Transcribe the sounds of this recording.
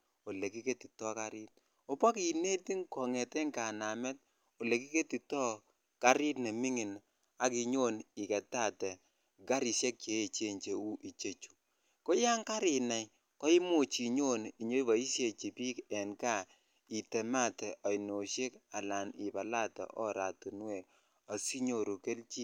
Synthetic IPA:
o˨le˨ki˦ke˦ti˨tɔ˦ka˦ɾɪ˦t̚ | o˦pɔ˦ki˨ne˦ti˦ŋkɔ˨ŋɛ˨te˦ŋka˨na˨mɛ˦t̚ | o˨le˨ki˦ke˦ti˨tɔ˦ | ka˦ɾɪ˦tne˨mi˦ŋi˨n | a˨ki˨ɲo˦ni˨kɛ˨ta˦˨tɛ˨ | ɡa˦ɾi˨sje˦k̚t͡ʃe˨e˦t͡ʃe˦ɲt͡ʃe˨u˦ʔi˨t͡ʃe˦˨t͡ʃu̥˨ | ko˦ja˦ŋka˦ɾɪ˨na˨j | kɔ˦i˦mo˦˨t͡ʃi˨ɲo˦ni˨ɲo˦ba˨i˦sje˨t͡ʃi˨pi˦kɛ˨nka˦˨ | i˨tɛ˨ma˦tɛ˨ʔɔ˨jno˨ʃe˦ka˨la˨nɪ˨ba˨la˦tɔ̰˨ʔɔ˦ɾa˨tu˨n˦we˨ | ɔ˨si˦ɲo˨ɾu˨ke˦lt͡ʃi˦

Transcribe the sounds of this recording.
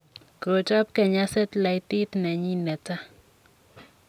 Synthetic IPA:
kɾo˨t͡ʃa˦p̚kɛ˨ɲa˦sɛ˦t̪la˨ɪ˦t̪ɪ˦t̪nɛ˨ɲi˦nɛ˨t͡sa˦

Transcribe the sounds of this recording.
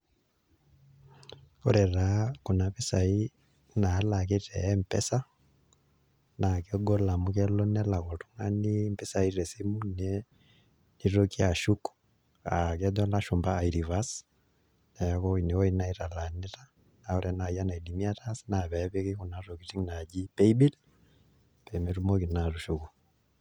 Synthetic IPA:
o˦ɾɛraku˨naβesai | nalak̬etɛːmpɛ̰sa | nakeɡɔ˦la˨mukɛlɔ˦nɛlako˨tuŋanimpɛsaiɾɛsimunɛ | niɾoki˦a˨ʃuku̥ | a˨kɛdɔ˦laʃu˨mbaː˨iɾi˨vas | nɛ˨jakɔ˦i˨ne˨wɔ˦ina˦iɾa˨la˨ni˦ɾa˦ | na˨ɔ˦ɾɛna˨ja˦na˨i˨di˨mia˦tasna˨βɛ˨βe˦keku˨na˨ro˨ki˨ti˦ŋna˨d͡ʒi˦pɛ˦ibi˦l | pɛ˨me˦ɾu˦mɔ˦ki˨na˨tu˨ʃu˨ku˨

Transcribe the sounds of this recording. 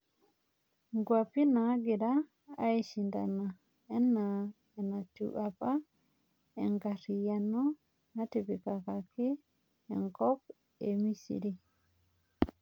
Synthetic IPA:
ŋɡwa˨pi˦na˨˦ɡi˨da̰ː˦ | i˦ʃi˨nda̰˨na˨ | e˦nːa | e˨na˨tṵʔa˨pa˦ | ḛ˨ŋɡa˨ɾi˨ja˨no˦ | na˦te˨bi˨ka˨ka˨ki˦ | ḛ˨ŋkɔ˦p̚ | e˨mi˦sḭ˨ɾi˨

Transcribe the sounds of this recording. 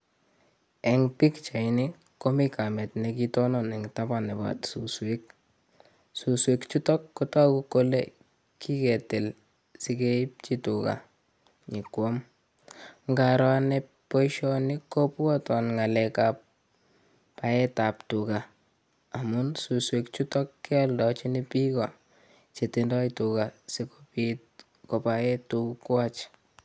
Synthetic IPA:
ɛ˨ŋpi˦kt͡ʃa˨ini˦ | ko˦mi˦ka˨mɛ˨tnɛ˨ki˦tɔ˦nɔ˨nɛ˨ŋta˦ba˨nɛ˨ba̰˨tsu˨swe˦k̚ | su˨swe˨kt͡ʃu˦tɔ˦kːɔ˦tɔ˦ku˦ko˦lḛ˦ | ki˦kɛ˨tɛ˨l | si˦ke˦p̚t͡ʃi˦tʊ˨ka̰˨ | ɲi˨kwɔ˦m | ŋɡa˨ɾa˦nɛ | po˦ʃɔ˦nɪko˦pɔ˦tɔ˨nŋa˨lɛ˨ka˨p̚ː | a˨jɛ˦ta˨ptu˨ka˨ | a˨mʊ˦nsu˨swe˨kt͡ʃu˦tɔ˦kːɛ˦a˦ldɔ˨t͡ʃi˦ni˦pi˦kɔ˨ | t͡ʃe˨tindɔ˦ituka˨si˦kopit̚ | ko˨pa˨jɛ˦tukukwa˦t͡ʃ

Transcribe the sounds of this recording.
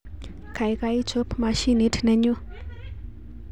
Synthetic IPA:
kʰa˨jka˧it͡ʃʰo˦pʰma˧ʃi˦ni˦tʰnɛ˧ɲu˦

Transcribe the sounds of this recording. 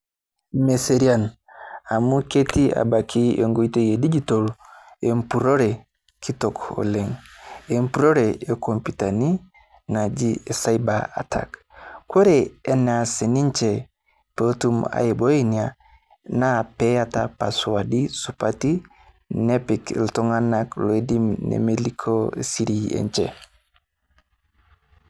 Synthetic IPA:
me˨se˨ɾi˦a˦n | a˨mu˦ke˦ti˦a̰˨ba˨kʰi˦ʔe˨ŋɡo˨i˦te˦je˨di˦d͡ʒi˦tɔ˨l | e˨m̩pu˨ɾo˦ɾɛ | kʰi˦tɔ˨kɔ̰˨lɛ˨ŋe˨m̩pu˨ɾɔ˦ɾɛ˨e˨ko˨mpi˨ta˨ni˦ | na˨d͡ʒi˦e˨sa˦i˦ba˨a̰˨tʰa̰˨k | kwo˦ɾɛː˨˦na˨se˨ni˦ɲt͡ʃe˨ | po˦tu˦ma̰˨je˨bo˦i˦nia˨ | na˦pe˦atapa˨swadisupati˦ | ne˦pikḭ˨lto˦ŋa˦na˦klo˨e˦di˦mnḛ˨melikʰo˦e˨si˦ɾiḛ˨ɲt͡ʃḛ˨

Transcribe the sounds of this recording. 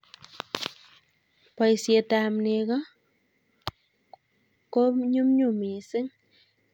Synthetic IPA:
pa˨jse˨ta˨mne˨ka˦ | ko˦ɲu˦mɲu˦˨mi˨sɪ˦ŋ

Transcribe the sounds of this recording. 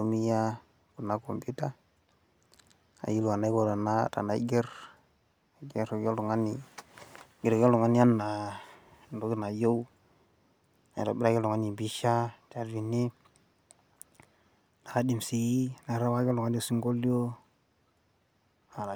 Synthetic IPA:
u˨mi˦ja˦ | ku˨nːa˦ko˨mbu˦ta˦ | a̰˨ji˦lu˨a˨na˦i˦ko˨ta˨na˦ta̰˨na˨˦i˦ɡe˦ɾ | ɡe˦ɾo˨ɡo˦lu˨ŋa˦ni˨ | ɡi˨ɾe˨ɡe˦lo˨ŋa˦ni˦a˦nːa˨ | ndo˨ɡi˦na˨jo˦u˦ | a̰˨ɾo˨bi˦ɾa˦ɡe˦lo˨ŋa˦ni˨bi˦ʃa˦t͡ʃa˨ɾvi˨ni˦ | na˨a˦di˨msi˨i˦na˨ɾa˦wa˦ɡo˦lo˨ŋa˦n˦o˨si˦ŋɡo˦ljo˦ | a˨a˨

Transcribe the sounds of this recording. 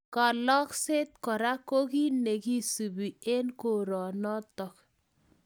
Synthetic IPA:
kɔ˨lɔ˦kse˦t̪̚kɔ˨ɾa˦ko˦ki˦ne˨ki˦su˨bi˨e˦nko˨ɾɔ˨nɔ˦tɔ˨k

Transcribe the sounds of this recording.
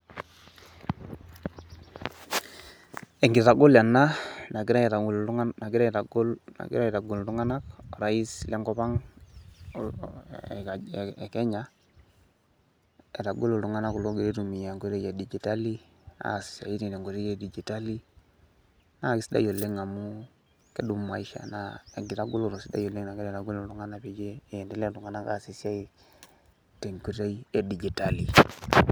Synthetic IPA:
e˨ŋɡɪ˨ta˨ɡo˦lja˨na˦na˨ɡɪ˦ɾa˦ta˨lna˨ɡɪ˦ɾa˦˨ta˨ɡo˦lna̰˨ɡɪ̰˦ɾa˦ɛ˨ta˨ɡo˨ltu˦ŋa˦na˦kɔ˨ɾa˦i˦sle˦ŋɡɔ˦pa˦ŋ˨ | ɛ˨kɛ˦ɲa˦ | e˨ta˨ɡo˦lo˨tu˦ŋa˦na˦ku˨lo˦ɡe˨ɾe˦tu˨mi˨ja˨ŋɡo˦ɾe˦ja˨di˨d͡ʒi˨ta˦li˦ | a̰˦˨si̥˨sa̰˨i˦ti˨ne˨ŋɡu˨ɾe˦je˨di˨d͡ʒi˨ta˦li˦ | na˦˨ki˨si˦da̰˦jo˨lːe˦ŋa˨mu˦ | ke˦du˨mːa˨i˦ʃa̰˨na˦e˨ŋɡi˨ɾa˦ɡu˦lo˨ɾo˨si˦da̰˦jo˨lːe˦ŋna˨ke˦ɾɛ˨ɾa˨ɡu˦lo˨lu˦ŋa˦na˦pi˨d͡ʒeː˦˨ɛ˨nde˦le˦lu˨ŋa˦na˦ka̰˦˨si˦sja˦i˦ | te˨ŋku˨˦ɾe˦i˦e˨di˨d͡ʒi˨ta˦li˨

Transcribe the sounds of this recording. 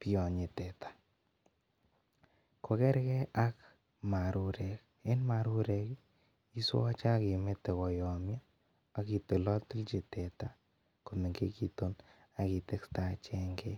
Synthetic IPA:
pjɔ˨ɲi˨tɛ˨tḁ˨ | ko˨kɛ˦ɾkɛ˦ʔa˦k | ma˨ɾu˨ɾɛ˨k | e˦nma˨ɾu˦ɾɛ˨k | i˦swɔ˦t͡ʃa˦ki˨me˦te˨kɔ˨jɔ˨mja˦ | a˦ki˨te˨lɔ˦ti˦lt͡ʃi˨tɛ˨ta˨ | ko˨me˨ŋɡḛ˦ki˦to˦n | a˨ki˨te˦ksta˨t͡ʃɛ˦ŋɡe˦

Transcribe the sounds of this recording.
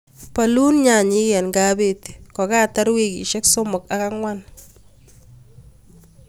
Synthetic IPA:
pa˨lu˦nɲa˨ɲi˦kɛ˨nŋɡa˦be˦˨ti̥˨kɔ˨kaː˦ta˦ɾwe˦kḭ˨ʃɛ˦kso˦mʊ˨ka˦ka˦ŋwa˦n

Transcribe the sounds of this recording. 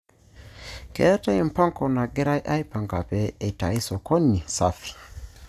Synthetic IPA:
kɛ̰˨ɾa˦ta˦i˨m̩˨pa˦ŋkɔ˨na˨ɡɛ˦ɾa˦jʔa˦i˦pa˨ŋɡa˨pɛ˨e˨ta˨i˦sɔ˨kɔ˦ni˨sa˦fi̥˨

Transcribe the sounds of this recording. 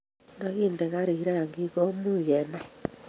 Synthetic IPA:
na˦ɣi˦nde˨ɣa˦ɾi˨i˦ɾa˦ja˨ŋɡi˦ɣo˦mu˦je˨na˦

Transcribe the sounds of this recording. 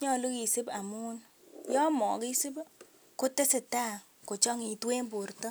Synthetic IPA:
ɲɔ˦˨lu˦ki˨sɪ˦ba˨mu˦n | jɔ˦mɔ˨ki˦sɪ˦b | kʊ˦te˦sɪ˨ta˦˨ | ko˨t͡ʃɔ˦ŋi˨twe˦mbu˨ɾtɔ˦

